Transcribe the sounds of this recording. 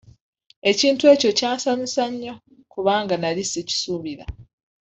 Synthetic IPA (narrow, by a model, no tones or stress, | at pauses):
e̞ciːntue̞ːco̞caːsamisaɲːo̞ | kuβaːŋɡanaliseci̥suːβiɾa̰